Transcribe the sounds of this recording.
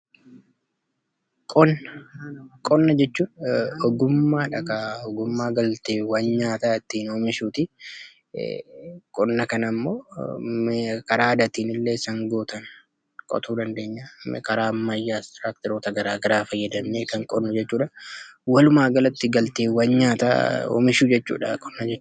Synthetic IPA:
kʼɔnːɐkʼɔnːɐd͡ʒɛt͡ʃːuːᶑɔɡʊmːaːᶑɐkɐɔɡʊmːaːɡɐlt̪eːwɐnɲaːt̪aːɪt̪ːiːnoːmɪʃuːt̪ɪ̰ | kʼɔnːɐkɐnɐmːo̰ː | kɐɾaːd̪ɐt̪iːnɪlːeːɪsaŋɡoːt̪ɐn | kʼɔ̰t̪uːd̪ɐnd̪e̞ːɲːa̰kɐɾaːmːɐjːaːst̪ɾaːk̚t̪ɛɾoːt̪ɐɡɐɾaːɡɐɾaːfɐjːɐd̪ɐmneːkɐŋkʼɔnːɐd͡ʒɛt͡ʃːuːᶑɐwɐlʊmaːɡɐlɐt̪ːɪɡɐlt̪eːwɐɲɲaːt̪a̰ɔ̰mɪʃuːd͡ʒɛt͡ʃːṵːᶑɐ̰kʼɔ̥nːɐd͡ʒɛt͡ʃː

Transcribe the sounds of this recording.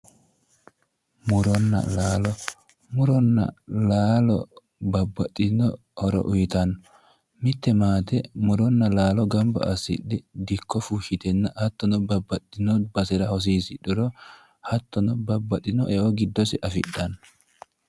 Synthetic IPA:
mʊɾɔnːɐ̰laːlɔ | mʊɾɔnːɐ̰laːlɔ | bɐbːɐt̪ʼːɪnɔ | hɔɾɔ̰ʔʊjɪt̪ɐnːɔ | mɪt̪ːɛmaːt̪ɛmʊɾɔnːɐlaːlɔɡɐmbɐ̰ʔɐsɪ̰ɗɪd̪ɪkːɔfuʃɪt̪ɛnːɐhɐt̪ːɔnɔbɐbːɐt̪ʼːɪnɔbɐsɪɾɐhɔs̬iːsɪɗʊɾɔ | hɐt̪ːɔnɔbɐbːɐt̪ʼːɪnɔʔɛʔɔɡɪd̪ːɔsɪʔɐfɪ̰ɗːɐnːɔ

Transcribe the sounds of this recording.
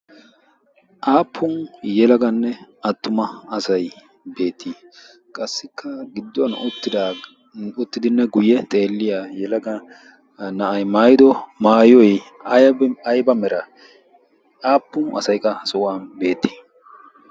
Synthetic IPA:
ʔaːpʰːʊnjɛlɐɡɐnːɛɐt̪ːʊmɐɐsɐj | be̞ːt̪ʰːi | kʼɐsːɪkʰːɐɡɪd̪ːɔnt̪ːɪa | ʊt̪ːɪd̪ɪnːɛɡʊjɛt̪ʼe̞ːlːɪjaːjɛlɐɡɐ | nɐʔɐjmaːjɪd̪ɔmaːjɔj | ɐjɐbɐjbɐmɛɾɐ | aːpːʊnʔɐ̰sɐjkʼːɐsʊwaːnbe̞ːt̪ːi̥ː

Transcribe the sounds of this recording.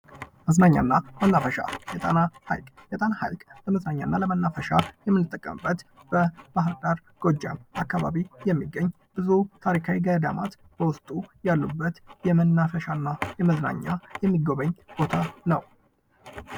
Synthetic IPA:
məznaɲːa̰nːamənːafəʃa̰jɛt̪ʼanaha̰jkʼjɛt̪ʼanaha̰jkʼləməznaɲːanːaləmənːafəʃajɛmːɨnːɨt̪ʼːəkʼːə̰mbːət̪b̥əb̥aɦɨɾd̪aɾ | ɡ̥o̞d͡ʒa̰mʔakːaβa̰βijɛmːiɡːəɲː | bɨzut̪ʰaɾikʰawiɡəd̪ama̰t̪ | b̥əwʊst̪ʼujalːubːət̪jɛmənːafəʃanːajɛməzna̰ɲːajɛmːiɡo̞βəɲːb̥o̞t̪ʰanəw

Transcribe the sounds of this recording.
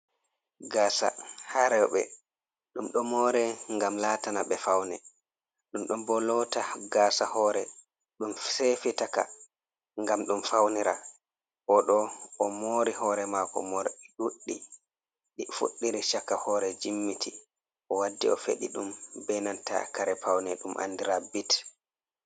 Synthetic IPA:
ɡaːsa̰haɾɛwɓɛ̰ | ɗumɗɔmoɾɛŋɡamlatanaɓɛfawnɛ | ɗumɗumbɔlɔtaɡaːsahɔːɾɛ | ɗumsefitaka̰ | ŋɡamɗumfawniɾa̰ | ʔɔɗɔɔmoːɾihɔːɾɛmakɔ̰mɔɾɗuɗːi | ɗifṵɗːiɾiʃakːahɔːɾɛd͡ʒimːitʰi | ɔwadːḭɔfḛɗḭɗumbɛnanta̰kaɾɛpawnɛɗumʔa̰ndiɾabit

